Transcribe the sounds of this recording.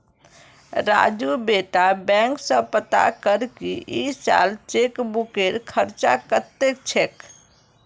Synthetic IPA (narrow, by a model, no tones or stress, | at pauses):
ɾa̰d͡ʒubeʈabɛ̃ŋksə̃pət̪a̰kəɾkiʔisa̰lt͡ʃekbukeɾkʰəɾt͡ʃa̰kət̪ːek̚t͡ʃʰek